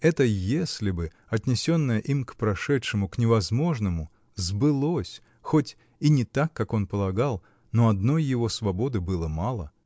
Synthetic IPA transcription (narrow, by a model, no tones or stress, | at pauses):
ɛt̪əjesʲlʲɪbɨ | ɐt̪ʲnʲɪsʲo̞nːəjəʔimkpɾɐʂɛtʂɨmʊknʲɪvɐzmo̞ʐnəmʊ | zbɨlˠosʲ | xotʲ | inʲɪt̪akːako̞npəlˠɐɡalˠ | no̞ɐd̪no̞jːɪvo̞svɐbo̞d̪ɨbɨlˠəmɑlˠə̰